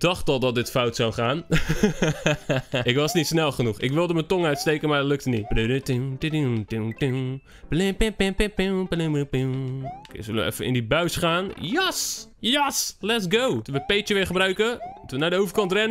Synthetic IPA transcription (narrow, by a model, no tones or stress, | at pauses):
d̥ɔxtɔlˠdɔt̚dɪtfawtsawχaːn | ʔɪkʋɔsnitsnɛlˠχənuxɪkʋɪlˠdəməntoŋœɥtstejkənmatløk̚təniblydətutitutu | plɪpɪ̃pẽpɪ̃piplɪ̃mpikḛsølə̰ɛ̰fəɪ̰ndibœɥsχaːnjɛsjɛslɛtsɡowʋəpeːtjəʋɪːɹχəbrœɥkətənadəowvəkɑntrɛnə